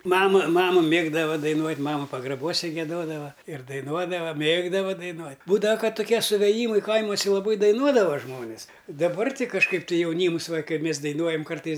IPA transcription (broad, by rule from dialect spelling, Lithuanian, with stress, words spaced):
ˈmɑːmɐ ˈmɑːmɐ ˈmʲeːɡdɐʋɐ dɐɪˈnuɔtʲ ˈmɑːmɐ pɐɡrɐˈbuɔsʲɛ ɡʲiɛˈdoːdɐʋɐ ɪr dɐɪˈnuɔdɐʋɐ ˈmʲeːɡdɐʋɐ dɐɪˈnuɔtʲ ˈbuːdɐʋɐ ˈkɐt tʊˈkʲiɛ sʊʋʲeːˈjiːmɐɪ ˈkɐɪmuɔsʲɛ lˠɐˈbɐɪ dɐɪˈnuɔdɐʋɐ ˈʒmoːnʲɪs dɐˈbɐr ˈtʲɪ kɐʃˈkɐɪp tɐɪ jɛʊˈnʲiːms ʋɐ kɐɪ ˈmʲeːs dɐɪˈnuɔjɛm ˈkɐrtɐɪs